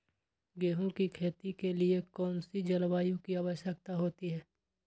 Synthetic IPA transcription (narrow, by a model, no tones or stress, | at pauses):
ɡeːɦõkikʰeːt̪ikeliekɔːnsid͡ʒɐlʋaːjõkiaːʋəʃjək̚t̪aɦoːt̪iɦɛː